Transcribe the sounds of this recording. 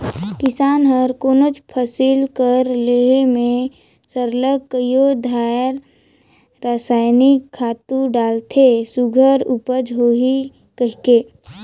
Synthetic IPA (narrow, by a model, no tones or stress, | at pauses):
kɪsaːnɦəɾkoːnot͡ʃpʰəsɪlkəɾleemẽ | səɾləɡkəjod̪ʱaːɾ | ɾaːsaːjnikʰːaːt̪ũɖaːlt̪ʰesuɡʱəɾupəd͡ʒɦoɦi | kəɦkeː